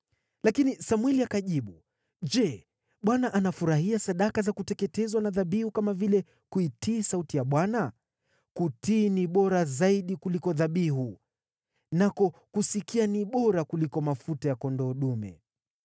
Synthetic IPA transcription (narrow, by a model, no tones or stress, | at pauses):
lakinisamwɛliakaʄiɓu | ʄɛ | ɓwanaʔanafuɾahiasaɗakazakutɛkɛtɛzwanaðaɓihukamavilɛ | kuitiːsautijaɓwana | kutiːniɓɔɾazaiɗikulikɔðaɓiɦu | nakɔkusikianiɓɔɾakulikɔmafutajakɔndɔːɗumɛ̰